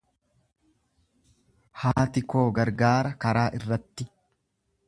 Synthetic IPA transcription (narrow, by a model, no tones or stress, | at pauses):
haːt̪ɪko̞ːɡɐɾɡaːɾɐkɐɾaːʔɪrːɐt̪ːɪ